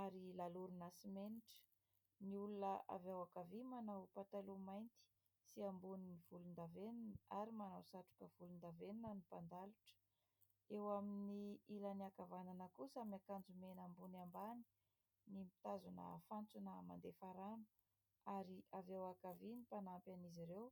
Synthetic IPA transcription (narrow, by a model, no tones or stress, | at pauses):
aɾilaluɾunasimeniʈ͡ʂə̥ | niulunəa̰vewakavimanawpaʈ͡ʂalumajnt̪i̥ | siambuniniv̥ulund̪aveninaɾimanawsaʈ͡ʂu̥kəv̥ulund̪aveninənipand̪aluʈ͡ʂə̥ | ewaminiilaniakavananəkusamiakand͡zumenambunambani̥ | nimi̥t̪azunə̰fant͡sunəma̰nd̪efaɾanə̥ | aɾiavewakavinipanampaniziɾew